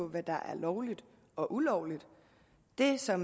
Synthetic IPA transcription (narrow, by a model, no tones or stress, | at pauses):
ɔʋæd̥ɑ̈ʔæɐlɒʊlid̥ | ɒ̽ʔulɒʊlid̥ | d̥e̝sɒ̽m